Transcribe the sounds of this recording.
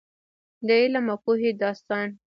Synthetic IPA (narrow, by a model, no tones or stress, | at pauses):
d̪əelamakuɦed̪ɑst̪ɑn